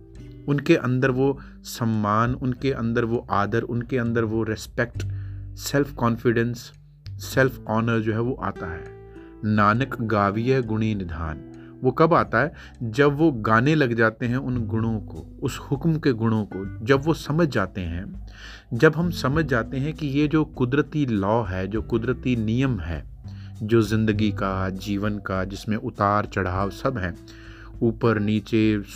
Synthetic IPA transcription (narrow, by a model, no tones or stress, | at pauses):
ʊnkeʔɐ̰̃nd̪əɾʋo | sɐmːaːnʊnkeʔɐ̰̃nd̪əɾʋoʔaːd̪əɾʊnkeɐ̃nd̪əɾʋoɾɪspɛk̚ʈsɛlfʰkɔːnfɪɖə̃nsː | ɛlfʰɔːnəɾd͡ʒoːɦɛʋoʔa̰ːt̪aɦɛː | naːnəkɡaːʋijəɡʊɽ̃inɪd̪ʱa̰ːn | ʋokɐbaːt̪aɦɛː | d͡ʒɐbʋoɡaːnelɐɡd͡ʒaːt̪eɦɛ̃ʊnɡʊɽ̃õko̰ːʊshʊkmkeɡʊɽ̃õkod͡ʒɐbʋosɐməd͡ʒʱd͡ʒaːt̪eɦɛ̃ | d͡ʒɐbɦɐmsɐməd͡ʒʱd͡ʒaːt̪eɦɛ̃kijed͡ʒoːkʊd̪ɾət̪ilɔːɦɛd͡ʒoːkʊd̪ɾət̪inijəmɦɛ̰ː | d͡ʒoːzɪ̃nd̪əɡikad͡ʒiːʋənkad͡ʒɪsmẽʔʊt̪aːɾt͡ʃɐɽ̤aːʋsɐbɦɛ̃ː | uːpəɾniːt͡ʃe